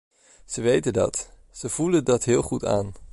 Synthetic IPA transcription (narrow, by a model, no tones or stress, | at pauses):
z̥əʋejtəndɑ̰t | z̥əv̥uləndɑtɦɪːlˠχuta̰ːn